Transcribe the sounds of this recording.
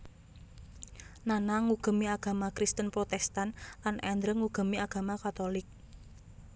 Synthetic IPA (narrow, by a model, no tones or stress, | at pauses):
nanaŋuɡ̥ə̤miaɡ̥a̤makɾist̪ənpɾot̪ɛst̪anlanʔɛnd̪ɾəŋuɡ̥ə̤miaɡ̥a̤makat̪olɪk̚